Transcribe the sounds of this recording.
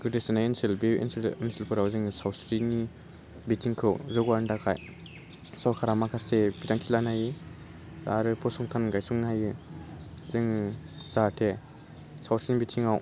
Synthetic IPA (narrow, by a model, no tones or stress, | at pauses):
ɡɯdesɯnajensilbiḭnsiinsilpʰɯɾawzɯŋɯsawsɾini | bitʰiŋkʰɯwzɯɡwaɾndakʰa̰j | sawkʰaɾamakʰasebitaŋkʰilanajɯ | za̰ɾɯpʰɔsɔŋtʰanɡajsuŋnajɯ | zeŋzatʰe | sawsɾinibitʰiŋaw